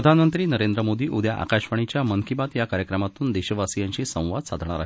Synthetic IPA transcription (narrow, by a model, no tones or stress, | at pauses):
ɾəd̪ʱanmənt̪ɾiːnəɾend̪ɾəmod̪iːʔud̪jaʔa̰kaɕʋaɽ̃it͡ɕjamənkibat̪jakaɾjəkɾəmat̪uːnd̪eɕəʋasijaɲt͡ɕiːsə̃w̃ʋad̪sad̪ʱɳ̃aɾa̰ɦi